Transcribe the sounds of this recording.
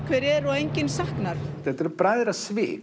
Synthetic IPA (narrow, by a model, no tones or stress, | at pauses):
kʰvɛːɾɛɾɔejɲcɪnsahknaɾ̥θɛt̪ɛɾpɾajðɾasvɪ̰ː